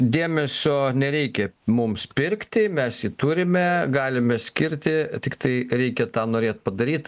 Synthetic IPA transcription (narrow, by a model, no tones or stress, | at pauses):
d̪ʲeːmʲɛsʲoːnʲɛɾʲɛɪkʲɛmʊmspʲɪɾʲkt̪ʲɪmʲɛsjit̪uɾʲɪmʲɛɡɑːlʲɪmʲɛsʲkʲɪɾʲt̪ʲɪt̪ʲɪkt̪ɐɪɾʲɛɪkʲɛt̪ɑːnoːɾʲeːt̪̚pɐd̪ɐɾʲiːt̪